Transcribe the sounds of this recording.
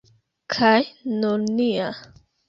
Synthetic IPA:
kʰajnunia

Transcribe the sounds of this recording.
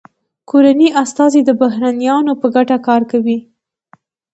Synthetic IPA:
koɾaniʔast̪ɑzed̪əbaɦɾɑnjɑnopəɡaʈakɑɾkawi

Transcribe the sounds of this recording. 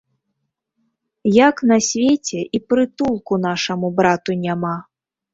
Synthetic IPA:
jaknɐsʲvʲet͡sʲɛʔipɾɨt̪ulˠkunaʂɐmubɾat̪unʲama

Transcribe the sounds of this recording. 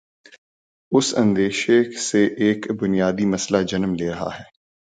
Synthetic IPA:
ʊsɐ̰̃nd̪eːʃeseʔːkbʊnijaːd̪imɐslad͡ʒɐnmleːɾɐɦa̰ɦɛː

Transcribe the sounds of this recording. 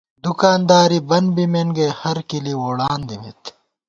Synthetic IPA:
d̪ukaːnd̪aːɾibɐnbimenɡehɐɾkiliwoːɽaːnd̪imḭt̪

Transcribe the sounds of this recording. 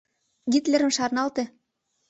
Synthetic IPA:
ɡit̪lʲĕɾə̆mʃɑrnɑlt̪ĕ

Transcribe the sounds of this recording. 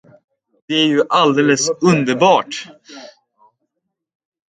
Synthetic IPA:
d̪̥ɛæɾjɵʔald̪eːləsɵnd̪əɾbɑːʈ

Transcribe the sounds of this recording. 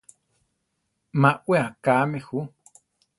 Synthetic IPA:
mãʔweakaːmexu

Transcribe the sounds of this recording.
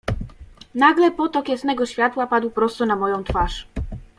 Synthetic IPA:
naɡlɛpɔt̪ɔkʲjɛsnɛɡɔɕfʲjat̪wapad̪wpɾɔst̪ɔnamɔjɔ̃w̃t̪faʂ

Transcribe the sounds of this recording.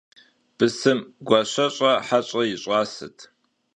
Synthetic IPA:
b̥ɨsɨmɡʷɑɕɐɕʼɐħaɕʷʼɐjɪɕʼɑːsɨ̰tʰ

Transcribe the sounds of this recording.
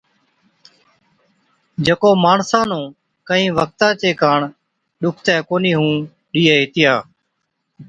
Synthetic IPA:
d͡ʒekoːmaːɳsãːnõː | kəĩːʋək̚t̪ãːt͡ʃeːkaːɳ | ɗʊkʰt̪ɛːkoːniːɦũː | ɗiːeːɦɪːt̪ɪjaː

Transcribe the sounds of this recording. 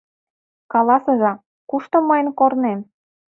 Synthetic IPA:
kɑlɑsɤ̆ʒɑ | kuʃt̪omɤjənkornem

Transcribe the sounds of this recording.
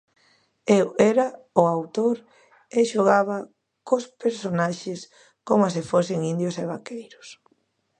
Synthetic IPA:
ewɛɾa | ʊawt̪oɾ | eʃoɣaβɐ | kospeɾsonaʃɪs | komas̬ɪfosɪŋind̪joseβakejɾʊs

